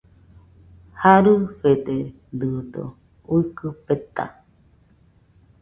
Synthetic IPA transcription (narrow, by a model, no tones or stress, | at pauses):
haɾɨɸet̪e | d̪ɨd̪o̰ | uikɨpet̪a̰